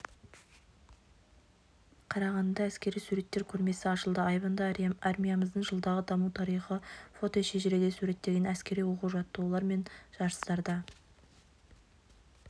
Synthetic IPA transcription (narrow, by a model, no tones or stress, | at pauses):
qʰɑɾɑʁɑnd̪ɑæskʲe̞ɾijsuɾe̞t̪ːe̞ɾkʲʰɵɾme̞sɪɑʃəlˠd̪əɑjbənd̪ɑɑɾmʲijaməzd̪əɴʒəlˠd̪ɑʁəd̪ɑmut̪ʰɑɾijχəfo̞t̪o̞ʃeʒeɾed̪e̞suɾe̞t̪ːe̞ɡʲe̞næskʲe̞ɾijwo̞quʒɑt̪ːəwolˠɑɾme̞nʒ̥ɑɾəst̪ɑɾd̪ɑ